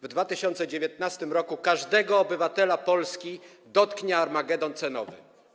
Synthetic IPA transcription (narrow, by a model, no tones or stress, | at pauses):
vd̪vat̪ɘɕɔnt̪sɛd͡ʑevʲjɛt̪̚nast̪ɘmɾɔkukaʐd̪ɛɡɔːbɘvat̪ɛlapɔlskʲi | d̪ɔt̪kɲɛaɾmaɡɛd̪ɔnt̪sɛnɔ̰vɘ̰